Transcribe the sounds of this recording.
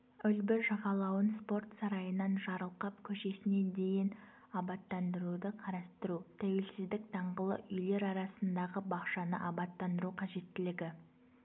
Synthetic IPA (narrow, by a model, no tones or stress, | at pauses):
ʏlbɪʒɑʁɑlˠɑwənspo̞rt̪sɑɾɑjənɑnʒɑɾəlˠqɑpkʲʰɵʃe̞sɪne̞d̪e̞jɪn | ɑbɑt̪ːɑnd̪əɾud̪əqʰɑɾɑst̪əɾut̪ʰæwe̞lsɪzd̪ɪk̚d̪ʰɑɴʁəlˠə̰ʔʏjle̞ɾɑɾɑsənd̪ɑʁəbɑqʃɑnə̰ʔɑbɑt̪ːɑnd̪əɾuqʰɑʒe̞t̪ːɪlɪɡʲɪ